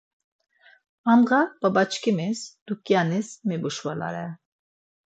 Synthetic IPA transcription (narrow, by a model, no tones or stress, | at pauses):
amʁab̥abat͡ʃʰkʰimisd̪̥ukʼjanismɛbuʃvala̰ɾɛ